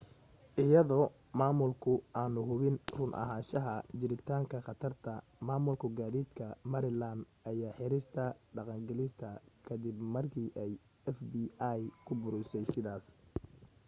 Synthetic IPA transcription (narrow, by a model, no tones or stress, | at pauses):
ʔɪjɐðɔː | maːmʊlkʰʊʔaːnʊɦʊβɪnrʊnʔɐ̰ɦaːnʃɐɦɐt͡ʃɪɾɪt̪ʰaːŋkʰɐχɑt̪ʰɐrt̪ʰɐ | maːmʊlkʰʊɡaːðiːd̪kʰɐmɐɾɪland̪ʔɐjaːħɪɾɪst̪ʰɐɖɑqɑŋɡɐlɪst̪ʰɐkʰɐd̪ɪbmɐrkʰiːʔɛj | ɛfbiːajkʰʊbʊɾʊsɛjsɪðaːs